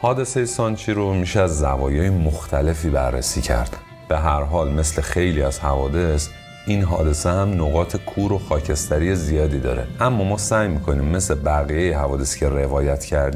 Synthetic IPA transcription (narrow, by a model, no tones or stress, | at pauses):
hɒːd̪e̞se̞jesɒnt͡ʃʰiːɾomiːʃeæzːævɒːjɒːjemoxt̪ʰæle̞fiːbæ̰ɾːḛsiːcʰæ̰ɾd̪̥ | b̥e̞ɦæɾɦɒːlme̞sle̞xe̞jliːæz̥hævɒːd̪e̞s | inɦɒ̰ːd̪e̞sehæmnoɣɒːt̪ʰekʰuːɾo̞xɒːcʰe̞st̪æɾije̞zijɒːd̪iːd̪ɒ̰ːɾe̞̰ʔæmːɒːmɒːsæjmiːkʰo̞niːmːe̞slebæɣijejeɦævɒːd̪e̞scʰe̞re̞vɒːjæt̪ʰcʰæɾd̪i